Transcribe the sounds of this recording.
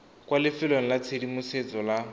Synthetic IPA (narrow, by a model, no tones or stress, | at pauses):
kʼwalɪfɪlon̩lat͡sʰedimuset͡sʼɔla